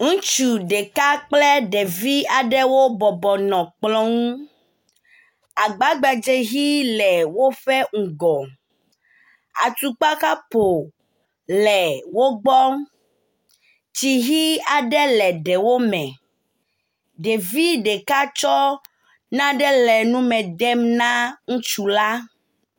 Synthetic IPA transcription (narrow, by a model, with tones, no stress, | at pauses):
ŋũ˦t͡ʃu˨ɖe˨ka˦k͡plɛ˦ɖe˨vi˦a˨ɖɛ˦wo˦bɔ˨bɔ˨nɔ̃˨k͡plɔ̃˦ŋũ˦ | a˨ɡ͡ba˦ɡ͡ba˨d͡ʒe˦ɦi˦lɛ˨wo˦fɛ˦ŋ̩˨ɡɔ˨ | a̰˨t̪u˨k͡pa˦ka˦po˨ | lɛ˨wo˦ɡ͡bɔ˦ | ti˨ɦi˦a˨ɖɛ˦lɛ˨ɖɛ˨wo˦mɛ̃˨ | ɖe˨vi˦ɖe˨ka˦t͡ʃɔ˦ | nã˦ɖɛ˦lɛ˨nũ˦mɛ̃˨ɖɛ˦mnã˦ŋũ˦t͡ʃu˨la˦